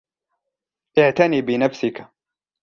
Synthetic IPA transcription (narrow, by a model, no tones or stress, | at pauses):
ʔɪʕt̪aniːbɪnafsɪka